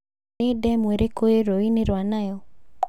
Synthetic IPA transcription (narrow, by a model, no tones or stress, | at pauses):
ɪdɛmweɾekojeɾoinɪɾanajɔ